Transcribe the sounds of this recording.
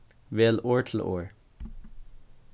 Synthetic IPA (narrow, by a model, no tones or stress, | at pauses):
ʋeːloːɹʈʰl̩ʔo̰ːɹ